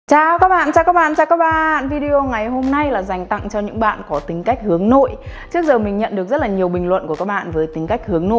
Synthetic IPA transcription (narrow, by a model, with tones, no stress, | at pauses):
t͡ɕaː˧wkaː˦˥k̚ɓa̰ː˧˨nt͡ɕaː˧wkaː˦˥ɓa̰ː˧˨nt͡ɕaː˧wkaː˦˥k̚ɓaː˧˨nvi˧ɗi˧o˧ŋa˨˩jɦho˧mna˧jlaː˨˩za˨˩jŋ̟t̪a̰˧˨ŋt͡ɕɔ˧ɲɨ̰˧˥ŋɓa̰ː˧˨nkɔ˨˦t̪ï˨˦ŋ̟ka˦˥jk̟̚hɨ˨˦əŋno̰˧˨jt͡ɕɨ˦˥ək̚zəː˨˩mi˨˩ŋ̟ɲə̰˧˨nɗɨ˨˩ək̚zə˦˥t̚laː˨˩ɲi˨˩əwɓï˨˩ŋ̟lwə̰˧˨nku˧˩kaː˦˥k̚ɓa̰ː˧˨nvəː˨˦jt̪ï˨˦ŋ̟ka˦˥k̚hɨ˨˦əŋno̰˧˨